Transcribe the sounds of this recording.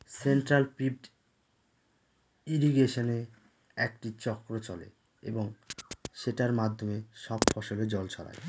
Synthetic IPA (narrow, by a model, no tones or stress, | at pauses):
senʈɾalpib̚ɖ | iɾiɡeʃone | ɛk̚ʈit͡ɕɔkːɾot͡ɕɔlḛ | ḛboŋʃeʈaɾmad̪ʱːomeʃɔbfɔʃoled͡ʑɔlt͡ɕʰɔɾa̰j